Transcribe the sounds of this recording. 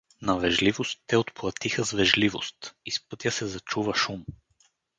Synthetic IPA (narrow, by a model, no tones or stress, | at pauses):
nɐvɛʒlivost̪ːɛot̪plˠɐt̪ixəzvɛʒlivo̰st̪ispɤt̪jəsɛzɐt͡ʃuvəʃum